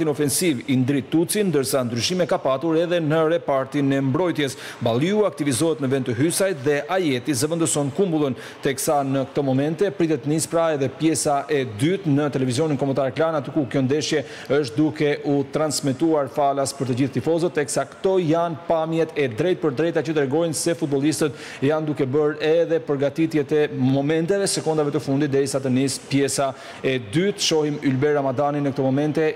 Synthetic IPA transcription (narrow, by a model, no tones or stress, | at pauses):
t̪inɔfɛnsivind̪ɾit̪ːut͡sind̪əɾsand̪ɾyʃimɛkapat̪uɾɛðɛnəɾɛpaɾt̪inɛmbɾɔjt̪jɛs | balˠiuak̚t̪ivizɔɦɛt̪nəvɛnt̪əɦysajt̪ðɛʔajɛt̪izəvənd̪ɔsɔnkumbulˠən | t̪ɛksanəkə̥t̪ɔmɔmɛnt̪ɛpɾit̪ɛt̪nispɾaɛðɛpjɛsaʔɛd̪yt̪nət̪ɛlɛvizjɔninkɔmənt̪aɾɛklanat̪ykukjɔnd̪ɛʃjɛ | əʃ̬t̪̚d̪ukɛʔut̪ɾansmɛt̪uaɾfalaspəɾt̪əd͡ʑiθt̪ifɔzɔt̪ɛksakt̪ɔjanpamjɛt̪ɛd̪ɾɛjt̪̚pəɾd̪ɾɛjt̪at͡ɕət̪ɾɛɡɔjnsɛfut̪̚bɔlˠist̪ət̪ | ɛjand̪ukɛbəɾɛðɛpəɾɡat̪it̪jɛt̪ɛmɔmɛnt̪ɛvɛsɛkɔnd̪avɛt̪əfund̪it̪d̪ɛɾisat̪ənispjɛsa | ɛd̪yt̪ʃɔhimylbɛɾamad̪aninəkət̪ɔmɔmɛnt̪ɛ